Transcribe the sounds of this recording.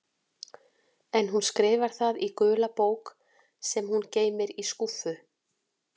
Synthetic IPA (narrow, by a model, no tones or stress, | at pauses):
ɛnɦunskɾɪːvaɾ̥θaðikœːlapoːwk | sɛmhunceːjmɪɾiskufʏ